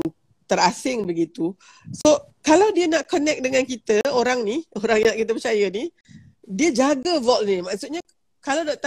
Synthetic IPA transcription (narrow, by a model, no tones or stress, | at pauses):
t̪əɾasɪŋbəɡit̪u | so | kalawdiənaʔkonɛk̚dəŋãnkit̪əoɾaŋnioɾaŋjakit̪̬əpət͡ʃajəni | diəd͡ʒaɡəvɔlnimaʔsut̪̚ɲa | kalawdaʔ̚t̪a